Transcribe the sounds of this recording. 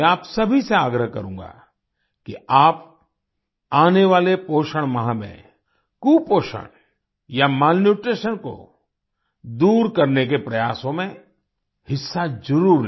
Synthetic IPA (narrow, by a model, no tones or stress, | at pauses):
ɛaːpsɐbʱiseaːɡɾəɦkɐ̰ɾũːŋɡa̰ | kiaːp | aːneʋaːlepoːʃəɽ̃mɐɦãmḛ̃ | kuːpoːʃə̰ɽ̃ | jamaːlnjuːʈɾeːʃənko̰ | d̪uːɾkɐɾnekepɾɐjaːsõmẽ | hɪsːazɐɾuːɾn